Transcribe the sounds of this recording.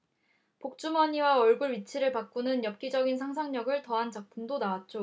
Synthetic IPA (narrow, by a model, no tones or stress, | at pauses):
pok̚t͡ɕ͈umʌɲiwaʌɭɡuɭɥit͡ɕʰiɾɯɭpak̚k͈unɯnjʌp̚k͈id͡ʑʌɡinsʰaŋsʰaŋɲʌɡɯɭtʌɦant͡ɕak̚pʰumdonawat̚t͡ɕ͈o